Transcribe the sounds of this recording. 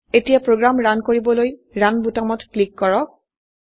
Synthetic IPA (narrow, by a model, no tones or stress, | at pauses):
etijapɹoɡɹamɹankoɹibɔlojɹanbutamɔtklikːɔɹɔk̚